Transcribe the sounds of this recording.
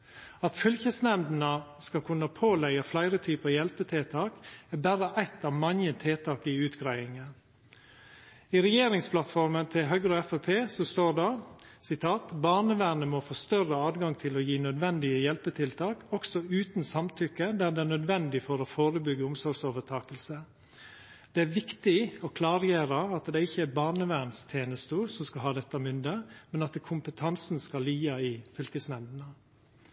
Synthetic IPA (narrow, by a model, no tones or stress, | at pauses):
ɑt̪fʏlçəsnɛnd̪n̩əskɑkʰʉnːəpʰoːlɛɡəflæɪɾət̪ʰyːpəɑjɛlpət̪ʰeːt̪ʰɑːkɛbæɾəʔæɪt̪ɑːʋmɑnət̪ʰeːt̪ʰɑːkɪʉːt̪ɡɾæɪɪŋə | iɾɛjeːɾɪŋspʰlɑt̪fɔɾmənt̪ʰɪlɦœɡɾoɛfɛpʰeːsɔst̪oːɖɑ | sɪt̪ʰɑːt̪bɑːɳəʋænəmofoːst̪œrəɑːd̪ɡɑŋt̪ʰɪloːjiːnœd̪ʋɛnd̪ɪəjɛlpət̪ʰɪlt̪ʰɑːkɔksɔʉːt̪nsɑmt̪ʰʏkːəd̪æd̪ɛænœd̪ʋɛnd̪ɪfɔɾɔfoːɾəbʏɡːəʊmsɔɾɡsoːʋət̪ʰɑːkəlsə | d̪̥ɛæɾʋɪkt̪ɪɔkʰlɑːɾjeːɾəɑt̪d̪ɛɪçːəæbɑːɳəʋæɾnst̪ʰeːnəst̪usɔmskɑɦɑːd̪ɛt̪ːəmʏnd̪əmɛnɑt̪kʰʊmpət̪ʰɑnsnskɑliːɑɪfʏlkəsnɛld̪ənə